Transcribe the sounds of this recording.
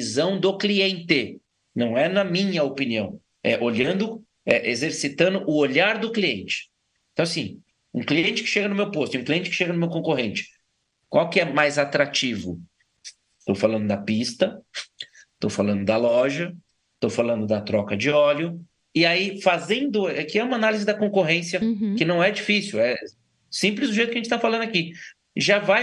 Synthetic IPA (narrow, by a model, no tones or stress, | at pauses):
izɐ̃w̃d̪ʊkliẽnt̪e | nɐ̃w̃ɛnɐmĩɲɐopiniɐ̃w̃ | ɛʔoʎɐ̃nd̪ʊ | ɛʔezeɾsit̪ɐ̃nd̪ʊʔʊoʎaɾd̪ʊkliẽnt͡ʃɪ̥ | ẽt̪ɐ̃w̃aɐsĩ | ṵ̃kliẽnt͡ʃɪ̥kɪ̥ʃeɡɐnʊmewpost̪ũkliẽnt͡ʃɪ̥kɪ̥ʃeɡɐnʊmewkõkoɦẽnt͡ʃɪ̥ | kwawkɪɛmajzat̪ɾat͡ʃivʊ̰ | t̪owfalɐ̃nd̪ʊd̪ɐpist̪ɐ | t̪owfalɐ̃nd̪ʊd̪ɐlɔʒɐ | t̪owfalɐ̃nd̪ʊd̪ɐt̪ɾɔkɐd͡ʒɪɔlʊ | ɪaifazẽnd̪ʊɛkɪɛũmanalizɪd̪ɐkõkoɦẽsjɐkɪnɐ̃w̃ɛd͡ʒifisiwɛ | sĩplɪzd̪ʊʒejt̪ʊkɐʒẽt͡ʃɪt̪afalɐ̃nd̪ʊaki | ʒavaj